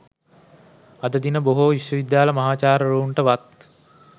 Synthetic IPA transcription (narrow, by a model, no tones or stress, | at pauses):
ɐd̪əd̪inəboɦoiʃʋəʋid̪jaːləmɐɦaːt͡ʃaːɾəɾuːɳʈəʋat̪